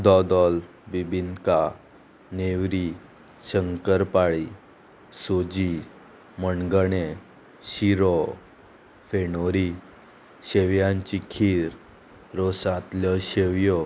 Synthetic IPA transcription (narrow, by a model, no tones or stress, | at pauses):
d̪ɔd̪ɔl | bibʱinka | neʋɾi | ɕəŋkəɾpaɭi | sod͡ʑi | məɳɡəɳe | ɕiɾɔ | fenoɾi | ɕeʋjãɲt͡ɕikʰiːɾ | ɾosãt̪ljɔɕeʋjɔ